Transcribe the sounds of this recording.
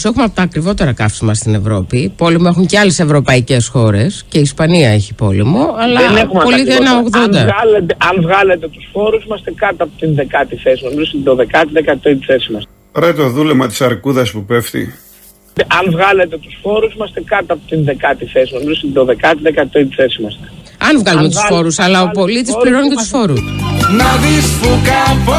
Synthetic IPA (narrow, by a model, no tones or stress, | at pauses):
se̞xumeɐpot̪ɐːkɾivo̞t̪e̞ɾɐkɐfsimɐst̪ine̞vɾo̞pipo̞lemue̞xuɲce̞ɐle̞se̞vɾo̞pɐice̞sxo̞ɾe̞sce̞iːspɐniɐe̞çipo̞lemuɐlɐenexumpolit̪enɐoɣðond̪ɐlet̪ʔɐnvɣɐlet̪e̞t̪usfo̞ɾusimɐst̪ekɐt̪ɐpot̪inðekɐt̪iθesino̞mizost̪iðo̞ðe̞kɐt̪iðekɐt̪oit̪iθesimɐs | ɾet̪o̞ðulemɐt̪i̥sɐɾkuðɐspupeft̪ḭ | ɐnvɣɐlet̪e̞t̪u̥sfo̞ɾusimɐst̪ekɐt̪ɐpot̪inðekɐt̪iθsnomizost̪iðoðe̞kɐt̪iðekɐt̪oit̪it͡sesimɐst̪e̥ | ɐnvɣɐluumet̪usffo̞ɾusɐlɐopo̞lit̪ispliɾo̞necet̪usfo̞ɾusnɐðispukɐp